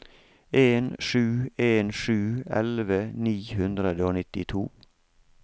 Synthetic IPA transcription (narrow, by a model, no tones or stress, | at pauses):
eːnʃʉːeːnʃʉːɛ̰lʋəniːhʉnd̪ɾəd̪əoːnɪt̪ɪt̪ʰuː